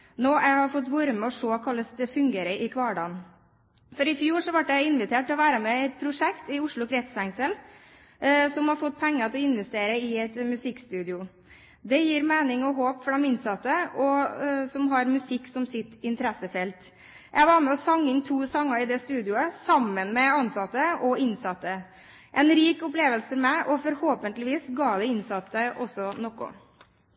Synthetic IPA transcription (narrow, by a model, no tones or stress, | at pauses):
noːʔæɪhɑɾfɔt̪ːʋuɾəmɛɔʂoːkʰɑlːəsd̪əfʉŋɡeːɾəʔɪkʰʋɑːɖɑ̰ːn | fɔɾɪfjuːʂɔʋɑʈjæɪɪnʋɪt̪ʰeːʈ̪ːɪlɔʋæːɾəmɛɛt̪̚pʰɾʊʂɛkt̪ɪʊʂɭʊkʰɾɛt̪sfæŋsəl | sɔmhɑɾfɔt̪̚ːpʰɛŋːət̪ʰɛlɔɪnʋɛst̪eːɾəɪɛt̪mʉsɪkːst̪ʉːd̪ɪʊ | d̪ɛjiːɾmeːnɪŋɔɦoːpfɔɖɛmɪnsɑt̪ːəɔsɔmɦɑɾmʉsɪkːsɔmsɪt̪ːɪnt̪əɾɛsəfɛlt̪ | jæɪʋɑːɾməɔsɑŋːɪŋt̪ʰuːsɑŋːəɾɪd̪ɛst̪ʉːd̪ɪʊəsɑmːənmɛɑnsɑt̪ːəʔɔɪnsɑt̪ːə | ʔɛnɾiːkʊpleːʋəlsəfɔɾmæɪʔɔfɔɾhoːpənt̪lɪʋiːsɡɑːd̪ɛɪnsɑt̪ːəʔɔsːɔnɔkːʊ̰